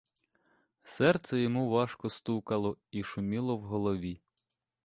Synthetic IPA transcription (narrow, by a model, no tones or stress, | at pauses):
sɛrt̪sɛjɔmuʋɑʃkɔst̪ukɐlˠɔiʃʊmʲilˠɔwɦɔlˠɔʋʲi